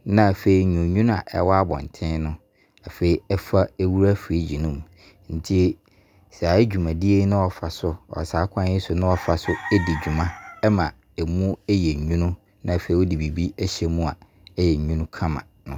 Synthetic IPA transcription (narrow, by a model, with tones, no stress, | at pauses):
nã˨fe˨i˨ɲũ˨ɲũ˦ñ˦a̰˨ʔɛ̰˦wɔ˦a˦bɔ̰̃˨n˨tʰɪ̃˦nʊ̃˦ | a˨fe˨i˨ɛ˦fa˦e˦wu˦ɾa˦fɾe˦d͡ʑi˨nʊ̃˦m | n̩˨tʰi˦e˦ | sɛ˨a˨˦d͡ʑᶣu˨mã˨di˦e˦nʊ̃˦ɔ˨fa˨sʊ˦ɔ̰˨saː˨˦kʰʷã˦n˦ɪ˦sʊ˨nʊ̃˦ɔ˨fa˨sʊ˦ɛ˦di˨d͡ʑᶣu˨mã˦ɛ˦mã˨ | ɛ˨mũ˦ɛ˦jɛ˨ɲũ˦nʊ̃˦ | nã˦˨a˨fe˨i˨wɔ˦di˨bi˨bi˦ɛ˦ɕɛ˦mũ˦a˨ | ɛ˦jɛ˨ɲᶣũ˦nʊ̃˦kʰã˦mã̰˨nʊ̃˦